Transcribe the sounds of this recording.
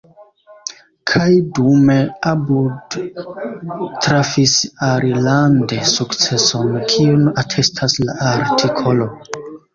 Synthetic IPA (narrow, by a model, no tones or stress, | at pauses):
kʰajdume̞abud | tɾafisaɾʔilande̞sukt͡se̞so̞nkʰionatʰe̞stʰaslaʔaɾtʰikʰo̞lo̞